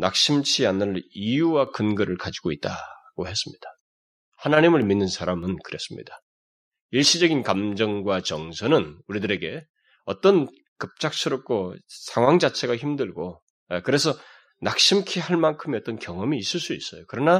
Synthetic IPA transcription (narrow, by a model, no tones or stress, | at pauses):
nak̚ɕ͈imt͡ɕʰianɯɾijuwakɯnɡɯɾɯɭkad͡ʑiɡoit̚t͈a̰ɡ̥ohe̞s͈ɯmɲid̥ḁ | hanaɲimɯɭminːɯnsʰaɾamɯnkɯɾe̞s͈ɯmɲḭd̥a | iɭɕ͈id͡ʑʌɡinkamd͡ʑʌŋɡwat͡ɕʌŋsʰʌnɯnuɾidɯɾe̞ɡe̞ | ʌt͈ʌn | kɯp̚t͡ɕ͈ak̚s͈ʰɯɾʌp̚k͈osʰaŋɦwaŋd͡ʑat͡ɕʰe̞ɡaçimdɯɭɡo | ekɯɾe̞sʰʌ | nak̚ɕ͈imkʰiɦaɭmankʰɯmiʌt͈ʌnkjʌŋʌmiːs͈ɯɭs͈uis͈ʌjokɯɾʌna